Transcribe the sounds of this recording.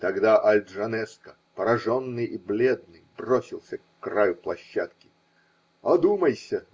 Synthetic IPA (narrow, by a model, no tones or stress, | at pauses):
t̪ɐɡd̪aʔɐlʲd̪ʐɐnɛskə | pəɾɐʐo̞nːɨjiblʲe̞d̪̚nɨjbrosʲɪlˠsʲəkːrajʊplˠɐɕːat̪kʲɪ̥ | ɐd̪uməjsʲə